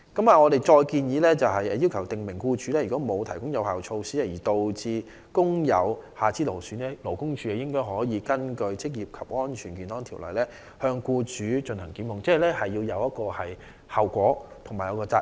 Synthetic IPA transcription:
kɐ˨˥maː˨ŋɔː˨˧ɾe˨jt͡ʃɔː˧jkiː˧njiː˨˧lɛː˥t͡sɐ˨wɦɐ˨jɛ˨˧ji˥wkʰɐ˨˩wt̪ɪ˨ŋmɪ˨˩ŋkuː˧t͡ʃyː˨˥lɛː˥jy˨˩kɔː˨˥mo˨˧wt̪ʰɐ˨˩jkʊ˥ŋjɐ˨˧whaː˨wt͡ʃʰo˧wsiː˥a˧˩jiː˨˩t̪o˨wt͡siː˧ | kʊ˥ŋjɐ̰˨˧whaː˨t͡siː˥lo˨˩wsyː˨˥nɛː˥lo˨˩wkʊ˥ŋt͡ʃʰyː˨˧jɛ˨˩jɪ˥ŋkɔː˥jɦɔː˨˥jiː˨˧kɐ˥nkɵ˧ɥt͡sɪ˥k̚jiː˨˩p̚kʰɐ˨p̚ŋɔː˥nt͡ʃʰyː˨˩nkiː˨˩nhɔː˥ŋt̪ʰiː˨˩wlɐ̰˨˩jlɛː˥ | hœː˧ŋkuː˧t͡ʃyː˨˥t͡ʃɵ˧nhɐ˨˩ŋki˨˥mʊ˨ŋt͡sɛː˥˨lɛː˥hɐ˨jːiː˧wjɐ˨˧wjɐ˥t̚kɔː˧hɐ˨j | hɐ˨wkʷɔː˨˥t̪ʰʊ˨˩ŋmaː˨˩jɐ˨˧wkɔː˧t͡saː˧

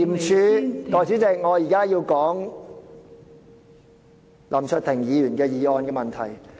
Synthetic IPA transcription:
i˨˩m˨t͡ʃʰyː˨˧t̪ɔː˨jt͡sʰiː˨˥t͡sɛ˨˧k̚ŋɔː˨˧jiː˨˩kaː˥jiː˧wkɔː˨˥ŋ | lɐ˨˩mt͡ʃʰɵ˧t̪ʰɪ˨˩ŋjiː˨˧jyː˨˩nkɛː˧jiː˨˧ɔː˨˧nkɛː˧mɐ˨˩nt̪ʰɐ̰˨˩j

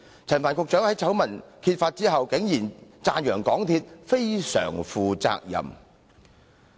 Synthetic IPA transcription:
t͡sʰɐ˨˩nfaː˨˩nkʊ˨k̚t͡ʃœː˨˥ŋhɐ˨˥jt͡sʰɐ˨˥wmɐ˨˩nkʰiː˧t̚faː˧t̚t͡siː˥ɦɐ˨wkɪ˨˥ŋjiː˨˩nt͡saː˧njœː˨˩ŋkɔː˨˥ŋt̪ʰiː˧t̚fe˥jsœ̰ː˨˩ŋfuː˨t͡sa̰ː˧k̚jɐ̰˨˩m

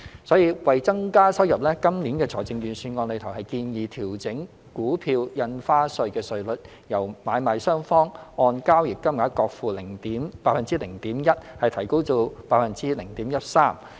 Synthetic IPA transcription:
sɔː˨˥jiː˧wɐ˨jt͡sɐ˥ŋkaː˥sɐ˥wjɐ˨p̚lɛː˥kɐ˥mnliː˨˥nkɛː˧t͡sʰɔː˨˩jt͡sɪ˨˧ŋjyː˨˩nsyː˨˧nŋɔː˧nle˨˧t̪ʰɐ˨˩whɐ˨jkiː˧njiː˨t̪ʰiː˨˩wt͡sɪ˨˥ŋ | kuː˨˥pʰiː˧wjɐ˧nfaː˥sɵ˧ɥkɛː˧sɵ˨˧ɥlɵ˨t̚ | jɐ˨˩wmaː˨˧jmaː˨jsœː˥ŋfɔː˥ŋɔː˧nkaː˥wjɪ˨kːɐ˥mŋaː˨˥kɔː˧k̚fuː˨lɪ˨˩ŋt̪iː˨˥mpaː˧t̚fɐ˨nt͡siː˥lɪ˨˩ŋt̪iː˨˥mjɐ˥t̚hɐ˨jt̪ʰɐ˨˩jko˥wt͡so˧wpaː˧t̚fɐ˨nt͡siː˥lɪ˨˩ŋt̪iː˨˥mjɐ˥t̚saː˥m

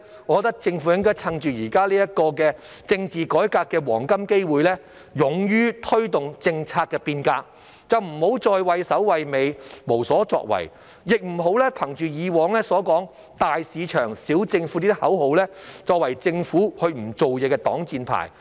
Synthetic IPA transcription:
ɔː˨kɔ˧t̪ɐ˥k̚t͡sɪ˧ŋfu˨˥ɪ˥ŋkɔː˥jt͡sʰɐ˧ŋt͡ʃyː˨˩jiː˨˩kaː˥liː˥jɐ˥t̚kɔː˧k̬ɛː˧ | t͡sɪ˧ŋt͡siː˨kɔː˨˥jkaː˧kːɛː˧wɔ̰ː˨˩ŋkɐ˥mke˥jwuː˨˧jlɛː˥ | jʊ˨˧ŋjyː˥t̪ʰɵ˥t̪ʊ˨ŋt͡sɪ˧ŋt͡sʰaː˧t̚kːɛː˧piː˧nkaː˧k̚ | t͡sɐ˨wm̩˨˩ho˨˥wt͡ʃɔː˧jwɐ˨jsɐ˨˥wwɐ˨jme˨˧jmo˨˩wsɔː˨˥t͡ʃɔ̰ː˧k̚wɐ̰˨˩j | jɪ˨k̚m̩˨˩ɦo˨˥wlɛː˥pʰɐ˨˩ŋt͡ʃyː˨jiː˨˧wɔː˨˧ŋlɛː˥sɔː˨˥kɔː˨˥ŋ | t̪aː˨jsiː˨˧t͡ʃʰœː˨˩ŋsiː˨˥wt͡sɪ˧ŋfu˨˥i˥t̪̚hɐ˨˥who˨˥wlɛː˥t͡sɔː˨˧k̚wɐ˨˩jt͡sɪ˧ŋfuː˨˥hɵ˧ɥm̩˨˩t͡so˨wjɛː˨˧kɛː˧t̪ɔ̰ː˨˥ŋt͡siː˧npʰa̰ː˨˩j

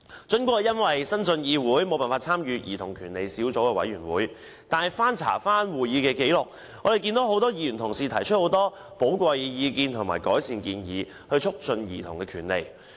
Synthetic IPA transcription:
t͡ʃɵ˨˥nkʷɔː˥˨˩jɐ˥nwɐ˨jsɐ˥nsɵ˧njiː˧wuː˨˥jmo˨˧wpaː˨nfaː˧t̚t͡sʰaː˥mjyː˨˧jiː˨t̪ʰʊ˨˩ŋkʰyː˨˩nle˨jsiː˨˥wt͡so˨˥wkɛː˧wɐ̰˨˥jɥyː˨˩nwuː˨˥j | t̪aː˨nhɛ˨jfaː˥nt͡sʰa̰ː˨˩faː˥nwuː˨˩jiː˨˧kɛː˧ke˨˥jlʊ˨k̚ | ŋɔː˨˧ɾe˨˩jki˧nt̪o˨˥ho˨˥wt̪ɔː˥jiː˧jy˨˩nt̪ʰʊ˨˩ŋsiː˨t̪ʰɐ˨˩jt͡ʃʰɵ˥t̚ho˨˧˥wt̪ɔː˥ | po˨˥wkʷɐ˧jjiː˨˧kiː˧nt̪ʰʊ˨˩ŋma̰ː˨˩jkɔː˨˥jsiː˧nkiː˧njiː˨˧ | hɵ˧ɥt͡ʃʰʊ˥k̚t͡ʃɵ˧njiː˨˩t̪ʰʊ˨˩ŋkɛː˧kʰyː˨˩nlḛ˨˩j

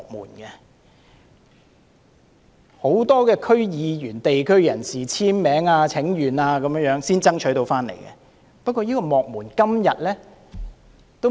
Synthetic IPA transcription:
k̚muː˨˩nkɛ˧ | ho˨˥wt̪ɔː˥kɛː˧kʰɵ˥ɥjiː˨˧jyː˨˩nt̪e˨jkʰɵ˥ɥjɐ˨˩nsiː˨t͡sʰiː˥nmɛː˨˥ŋaː˧t͡sʰɪ˨˥ŋjyː˨˩naː˧kɐ˨˥mjːŋjœː˨˥ŋsiː˥nt͡sɐ˥ŋt͡ʃʰɵ˨˥jt̪o˧wfaː˥nlḛ˨˩jkɛ̰˧ | pɐ˥t̚kʷːɔː˧jiː˥kɔː˧mɔː˨k̚muː˨˩nkɐ˥mjɐ˨t̚lɛː˥ | t̪o˥w

